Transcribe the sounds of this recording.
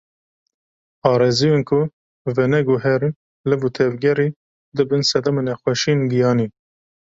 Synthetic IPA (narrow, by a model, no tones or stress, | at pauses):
ɑːɾezijonkʰʊ | vɛnɛɡuɦɛɾi | lɨbut̪ʰɛvɡɛɾi | d̪ɨbɨnsɛd̪ɑmenɛxʷɛʃinɡijɑːniː